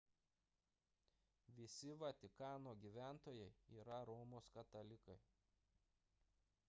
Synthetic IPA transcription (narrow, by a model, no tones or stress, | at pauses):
ʋʲɪsʲɪʋɐt̪ʲɪkɑːnoːɡʲiːˑʋʲæˑnt̪oːjɛɪiːɾɐɾɔːmoːskɐt̪ɐlʲɪkɐɪ